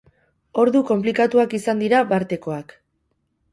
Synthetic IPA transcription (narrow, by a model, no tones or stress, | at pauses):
o̞ɾðuko̞mp̬likat̪uakisand̪iɾaβaɾt̪e̞ko̞ak